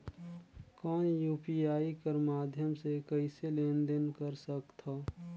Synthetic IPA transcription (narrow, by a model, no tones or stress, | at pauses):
kɔːnjuːpiaːikəɾmaːd̪ʱjəmsekəɪselẽːnd̪ənkəɾsəkt̪ʰaː